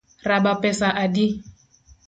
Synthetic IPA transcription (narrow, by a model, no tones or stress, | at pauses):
rabapɛsaʔadi